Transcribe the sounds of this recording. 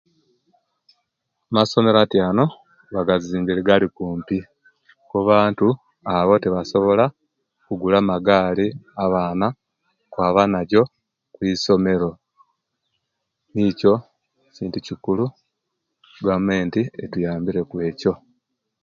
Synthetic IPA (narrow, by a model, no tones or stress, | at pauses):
maso̞me̞ɾatjaːno̞ | βaɡaziːmbiɾiɡalikuːmpi | kuβaːntu | aβo̞teβaso̞βo̞la | kuɡulamaɡaːliaβaːna | kwaːβanaɟo̞ | kwiːso̞me̞ɾo̞ | niːco̞ | ciːnticikulu | ɡameːntietujaːmbiɾe̞kwe̞ːco̞